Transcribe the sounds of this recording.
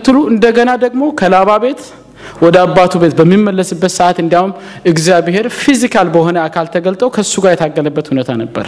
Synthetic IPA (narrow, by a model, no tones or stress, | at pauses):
t̪ːɨluɨnd̪əɡənad̪əɡmo̞kʰəlaβaβe̞t̪ | wɔd̪əabːat̪ʰube̞t̪bəmːimːəlːəsɨbːət̪səʔat̪ɨnd̪iaum | ʔɨɡzjaβɦe̞ɾfizikʰalbəho̞nəakʰalt̪ʰəɡəlt̪ʼəwkʰəsːuɡaɾjɛt̪ʰaɡːələbːət̪hunət̪ʰanəbːə̰ɾ